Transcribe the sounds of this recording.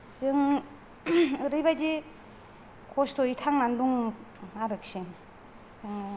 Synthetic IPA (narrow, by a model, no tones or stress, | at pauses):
zɯŋ | ɯɾɯjβajzi | kʰɔstɔitʰaŋnanduŋaɾɯksiŋ | ɯŋ